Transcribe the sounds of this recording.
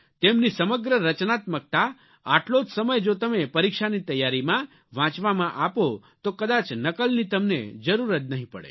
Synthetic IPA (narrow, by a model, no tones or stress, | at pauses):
t̪emnisəməɡɾəɾət͡ʃnat̪mək̚t̪a | a̰ʈlod͡ʒsəməjd͡ʒot̪əmepəɾikʃanit̪əjːaɾimã | ʋãt͡ʃʋamãʔapot̪okəd̪at͡ʃnəkəlnit̪əmnḛd͡ʒəɾuɾət̪̚nəɦĩpə̰ɽḛ